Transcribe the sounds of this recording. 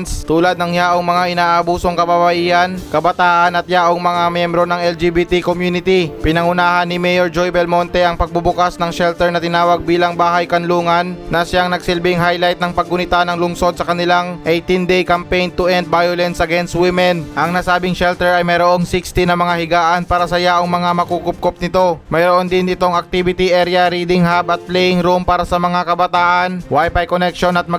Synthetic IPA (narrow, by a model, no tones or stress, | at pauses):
nst̪uːlɐd̪nɐŋjaːʔo̞ŋmɐŋaʔɪnaːʔɐbuːso̞ŋkɐbabɐʔiːʔɐnkɐbɐt̪aːʔɐnɐt̪̚jaːʔoŋmɐŋamjɛmbɾonɐŋɛld͡ʒibit̪ikomjuːnɪt̪ipɪnɐŋʊnaːɦɐnːɪmɛjoɹd͡ʒojbɛlmo̞nt̪ɛʔɐŋpɐɡ̚bʊbʊkasnɐŋʃɛlt̪ɛɹnɐt̪ɪnaːwɐɡ̚biːlɐŋbaːɦɐjkɐnluːŋɐnːɐsaŋnɐɡsɪlbɪŋɦajlajt̪̚nɐŋpɐɡ̚ʊnɪt̪anɐŋlʊŋso̞d̪̚sɐkɐnɪlaŋʔejt̪ɪnd̪ɛjkɐmpejnt̪ʊʔɛnt̪̚bajolɛnsʔɐɡɛnst̪̚wɪmɛnʔɐŋnasaːbɪŋʃɛlt̪ɛɹɐjmɛjɾoʔo̞ŋsikst̪ɪnɐmɐŋahɪɡaːʔɐnpaːɾɐsɐjaʔoŋmɐŋamɐkukʊp̚kop̚nɪt̪o̞mɐjɾoʔond̪ɪnɪt̪o̞ŋɐk̚t̪ibɪt̪iʔɛɾjɐɾid̪ɪŋɦabɐt̪̚plɛjɪŋɾumpaːɾɐsɐmɐŋakɐbɐt̪aːʔɐnwajpajkonɛk̚ʃo̞nɐt̪̚mɐ